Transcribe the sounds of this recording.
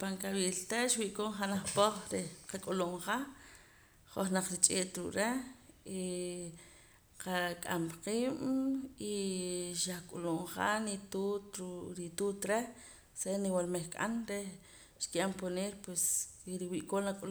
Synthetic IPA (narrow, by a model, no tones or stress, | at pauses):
paŋkawiːlt̪aʃwiʔkoːɴχanaχpoχɾeqakʼuloɴχa | χoχnaq͡χɾit͡ʃʼeːt̪ɾṵʔɾe | i | qakʼa̰mqiːmiʃaχkʼuloɴqa̰nit̪ut̪ɾuɾit̪uːt̪ɾe | seniwalmeχkʼa̰nɾe | ʃkiʔamponeːɾpwesɾiwiʔkoːnakʼul